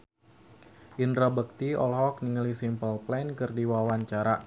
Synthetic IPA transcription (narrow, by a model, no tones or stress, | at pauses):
ʔindɾabək̚t̪iɔ̰lɦɔk̚niŋəlisimpəlplɛnkərdiwawaɲt͡ʃaɾa